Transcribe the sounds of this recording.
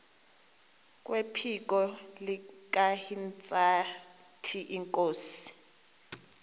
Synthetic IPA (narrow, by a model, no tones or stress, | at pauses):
k̬ʼwepʰik̬ʼɔlik̬ʼahint͡sʼa | tʰiʔiŋkʼoːsi̥